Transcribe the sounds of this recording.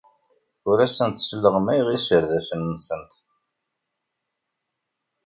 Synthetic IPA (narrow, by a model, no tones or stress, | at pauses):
ʊɾæsənt̪səlːəʁmæjʁisəɾðæsənːsənt̪